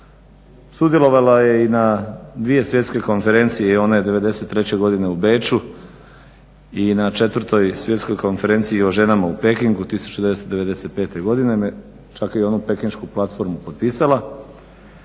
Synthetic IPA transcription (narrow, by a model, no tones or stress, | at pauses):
sud̪je̞lˠo̞ʋalaje̞inad̪ʋie̞sʋjet̪ske̞ko̞nfe̞ɾe̞nt̪sijeio̞naed̪e̞ʋe̞d̪e̞se̞t̪ːɾe̞t͡ɕe̞ɡo̞d̪ine̞ube̞t͡ʃu | inat͡ʃe̞t̪ʋɾt̪o̞jsʋje̞t̪sko̞jko̞nfe̞ɾe̞nt̪siiːo̞ʒe̞namaupe̞kiŋɡut̪isu̥t͡ɕud̪e̞ʋest̪od̪e̞ʋe̞d̪e̞se̞t̪̚pe̞ːt̪e̞ɡo̞d̪inem | t͡ʃakeo̞nupe̞kiŋʃkuplat̪fo̞ɾmupot̪̚piːsalˠa